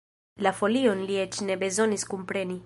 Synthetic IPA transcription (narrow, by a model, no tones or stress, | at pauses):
lafoliɔnliɛt͡ʃnɛbezɔniskumpɾɛni